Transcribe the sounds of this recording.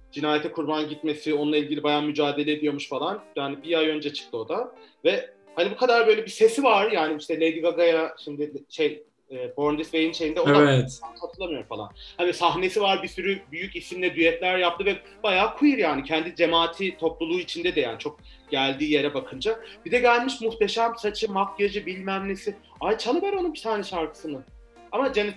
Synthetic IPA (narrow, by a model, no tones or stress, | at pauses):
d͡ʒinaːjɛt̪ʰɛkʰuɾbanɟit̪me̞sionunlˠailʲɟilʲibajaːmyd͡ʒaːd̪e̞lʲed̪ijo̞ɾmuʃfalˠanjaːnibijajø̞nd͡ʒɛt͡ʃʰɯ̥k̚t̪ʰɯo̞d̪avɛ | hanibukʰad̪aɾbø̞jlʲebise̞sivaɾjaːnimiʃt̪ɛlʲejd̪iɡaɡajaʃimd̪ɪɪʃej | ɛːbo̞ɾnd̪isvejinʃe̞jind̪ɛod̪aant̪hat̪ʰɯɾlˠamɯjo̞ɾfalˠa̰nhanisaɦne̞sivaɾbisyɾybyjycisimʲɛd̪yjɛt̪lʲæɾjap̚t̪ʰɯvɛ | b̥ajaːkʰujiɾjaːnicʰɛnd̪id͡ʒe̞maːt̪ʰit̪ʰo̞plˠulˠuːit͡ʃʰind̪ɛd̪ɛja̰ːnit͡ʃʰo̞k̚ | ɟ̥ælʲd̪iːje̞ɾɛbakʰɯnd͡ʒab̥id̪ɛɟælʲmiʃmuxt̪ʰe̞ʃæmsat͡ʃʰɯmap̚ɟad͡ʒibilʲmæmlʲesi | ajt͡ʃʰalˠɯbɛɾo̞nunbit̪ʰaːnɛʃaɾkʰɯ̥sɯnɯ | amad͡ʒanit̪